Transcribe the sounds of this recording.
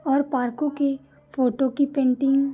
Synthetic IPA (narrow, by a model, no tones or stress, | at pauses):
ɔːɾpaːɾkõke | foːʈokipẽːɳʈɪ̃ŋɡ